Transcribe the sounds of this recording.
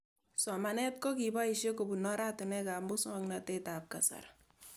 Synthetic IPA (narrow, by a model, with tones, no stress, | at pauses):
sɔ˨ma˨nɛ˦t̚ko˦ki˨ba˦i˨ʃje˦ko˨bu˨nɔ˦ɾa˦tu˨nɛ˦ka˨mbo˦sŋɔ˦ŋnate˦tap̚ka˨sa̰˨r